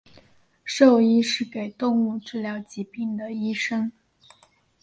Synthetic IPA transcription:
ʂo˥˧ʊi˥ʂɻ̩˥˩ke˨˩ɪt̪ʊ˥˧ŋu˥˩ʈ͡ʂɻ̩˥˩ljɑ˧˥ʊt͡ɕi˧˥pi˥˩ŋd̪ə˩i˥ʂɤ˥ŋ

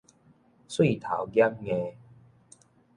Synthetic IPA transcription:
swi˥˨t̪ʰa̰˨˩wɡja˦˥mŋẽ˧

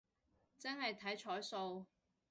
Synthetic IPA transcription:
t͡sɐ˥nhɐ˨jt̪ʰɐ˨˥jt͡ʃʰɔː˨˥jso˧w

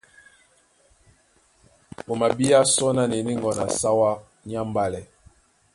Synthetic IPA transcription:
bo˨ma˨bi˦a˦sɔ˦na˨ne˨ni˦ŋɡɔ˨na̰˨sa˦wa˦ | ɲ˦a˦m˦ba˦lɛ˨

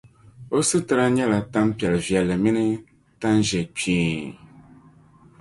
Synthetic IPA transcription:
o˦sɨ˦tɨ˨ɾa˦ɲɛ˦la˨ta˦mpi˨ɛ˨lvjɛ˨lːɨ˨mi˦nɨ˦ | ta˦nʒɛ˨peː˨

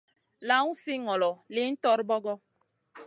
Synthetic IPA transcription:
la˦ŋu˦si˦ŋɔ˨lɔ˨lɪ˨n̩˦tɔ˦ɾbɔ˦ɡɔ˦

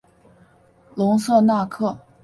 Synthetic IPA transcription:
lʊ˧˥ŋsɤ˥˧na˥˧kʰɤ˥˩

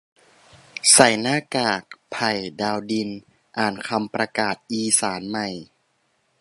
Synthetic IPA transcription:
sa˨˩jnaː˥˩˨kaː˨˩k̚pʰa˨˩jdaː˧wdi˧n | ʔaː˨˩nkʰa˧mpɾa˧kaː˨˩t̪̚ʔiː˧saː˩˦nma˨˩j

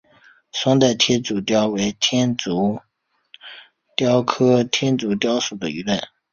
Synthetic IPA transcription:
swɑ˥ŋt̪a˥˩ɪt̪ʰjɛ˥t͡su˨˩t̪jɑ˥ʊwe˧˥ɪt̪ʰjɛ˥nt͡su˧˥ | t̪jɑ˥ʊkʰɤ˥t̪ʰjɛ˥nt͡su˧˥t̪jɑ˥ʊʂu˨˩d̪ə˦y˧˥la˥˩n

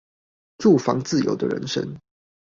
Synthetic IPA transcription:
ʈ͡ʂu˥˨fɑ˨˦ŋt͡sɹ̩˥˨jo̰˨˧˥ʊd̪ə˨ɻə̰˧˦nʂə̰˦ŋ

